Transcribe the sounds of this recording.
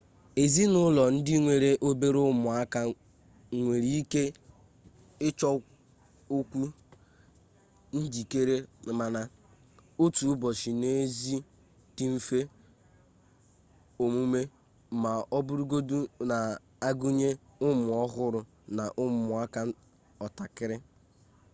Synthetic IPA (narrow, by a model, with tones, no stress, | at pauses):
e˨zi˦nʊ˦lɔ˨n̩˦dɪ˦ŋʷe˨ɾe˨ʔo˦be˦ɾʊ˦mʊ˨a˦ka˦ | ŋʷe˨ɾi˦i˦ke˦ | ɪ˦t͡ʃɔ˦ | o˦kʷu˦ | n̩˦d͡ʒi˨ke˦ɾe˦˨ma˨na˨ | o˦tu˨˦bɔ˨ʃi˨ne˦zi˦ | ti˦m̩˦fe˦ | o˨mu˦me˦ | ma˨ɔ˦bu˦ɾu˦ɡo˦du˦na˨ | a˦ɡu˦ɲe˦ʊ˦mʊ˨ɔ˦ɦʊ˦ɾʊ˨ | na˨ʔʊ˦mʊ˨a˦ka˦ | ɔ˨ta˨kɪ˦ɾɪ˦